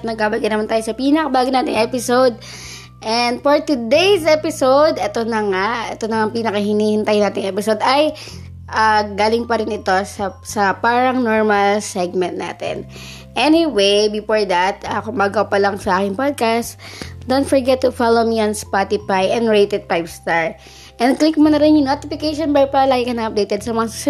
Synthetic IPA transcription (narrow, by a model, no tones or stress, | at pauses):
nɐɡ̚baːbɐlɡɐjnɐmant̪aːjosɐpiːnɐkɐbaːɡɪnaːt̪ɪŋʔɛpɪsowd̪̚ | ʔɛnd̪̚foɹt̪ʊd̪ejsʔɛpɪsowd̪ʔɛt̪onɐŋaʔɛt̪onɐŋɐŋpiːnɐkɐhɪniːhɪnt̪ajnaːt̪ɪŋʔɛpɪsod̪ɐj | ʔaɡaːlɪŋpɐɾɪnɪt̪o̞sɐsɐpaːɾɐŋnoɹmɐlsɛɡ̚mɛnt̪̚na̰ːt̪ɛ̰n | ʔɛniwejbɪfoɹd̪ɐt̪akʊmbaːɡowpɐlɐŋsɐʔaːkɪŋpod̪̚kast̪d̪ont̪fɔɹɡɛt̪ːʊfalomiɐnspat̪ɪfajɛ̃nd̪ɹejt̪ɛd̪̚pajbst̪aɹ | ʔɛ̃nd̪̚klik̚monɐɾɪnjʊŋnoːt̪ɪfɪkejʃonbɛɹpɐlaɡɪkɐnɐʔɐp̚d̪ejt̪ɛd̪̚sɐmɐŋa